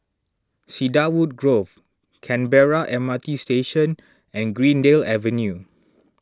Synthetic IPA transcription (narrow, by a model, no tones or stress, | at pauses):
sidawud̚ɡɹov | kʰɛ̃nbɛɹaʔɛmatisteʃə̃n | ɛ̃nɡɹĩndelɛvə̃nju